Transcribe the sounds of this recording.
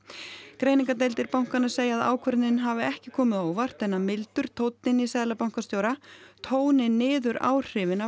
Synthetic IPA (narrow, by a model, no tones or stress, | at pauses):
kɾeːjniŋkat̪ejlt̪ɪɾpawŋ̥kanḁseːjaːða̰ːwkʰvœɾt̪nɪnɦavɪɛhcɪkʰɔːmɪðowvar̥t̪ɛnːamɪlt̪ʏɾ̥t̪ʰowt̪nɪnisɛːðlapawŋkast̪joːwɾat̪ʰoːwnɪnːɪːðʏɾa̰ːwr̥ɪːvɪna